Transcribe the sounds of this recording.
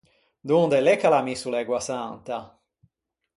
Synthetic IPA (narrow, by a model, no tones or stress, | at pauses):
d̪und̪ɛlɛkːalamisulɛɡwasant̪a